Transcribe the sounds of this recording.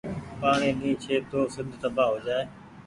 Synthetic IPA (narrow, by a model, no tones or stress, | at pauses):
paːɳ̃ĩːɗĩːt͡ʃʰeːt̪oːsɪd̪ʱt̪əbaːɦoːd͡ʒaːeː